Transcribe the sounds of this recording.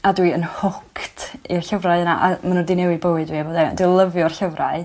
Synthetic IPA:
adwiənhʊkʰtʰir̥ɬəvraɨəna̰ʔamanundɪnɛwɨbəwɨdviːboːdɛndulˠəvjɔrɬəvraɨ

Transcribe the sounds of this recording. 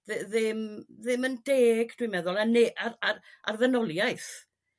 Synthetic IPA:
ðɨðɪmðɪməndeːɡd̥wimɛðʊlˠaneʔaɾararvənɔlˠjajθ

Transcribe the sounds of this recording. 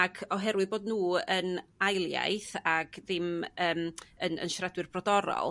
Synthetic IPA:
aɡɔɦɛɾwɪðboːdnuːənajlˠja̰jθaɡ̥ðɪməːmənə̰nʃrɛdwɨrb̥rɔdɔɾɔ̰lˠ

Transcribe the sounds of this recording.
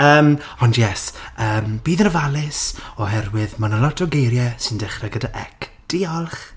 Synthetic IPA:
əːm | ɔndjɛsəːmb̥iːðənəvalˠɪsɔɦɛrwɪðmanəlɔtʰɔɡejɾjɛsɪndɪχrɛɡədaʔɛ̰k | d̥ɪɔlˠχ

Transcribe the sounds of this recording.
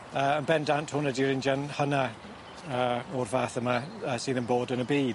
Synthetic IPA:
əənbɛndanthʊnədiɾɪnd͡ʒanhəna | əːɔrvaːθəmaəːsɪnənboːdənəbiːd̥

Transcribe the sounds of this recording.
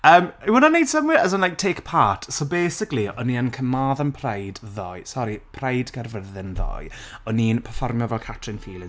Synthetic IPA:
əːmiwənɔniːdsəmwɪəzənlajk̚tʰeːkpʰaːtʰsowbejsɪkliɔniːənkʰəmaːðənpʰr̥ajdðɔ̰jsɔɾipʰrajdɡərvəðɪnðɔ̰jɔniːnpʰərfɔrmjɔvɛlˠkʰatʰrɪnfiːlˠɪ

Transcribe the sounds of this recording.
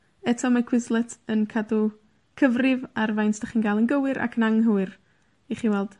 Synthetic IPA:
ɛtʰɔmakʰwɪslˠɛtʰənkʰadu | kʰəvrɪvarvajntd̥aχiːnɡalˠənɡəwɨɾʔa̰kʰənaŋɦəwɨr | iχiːwɛlˠd̥

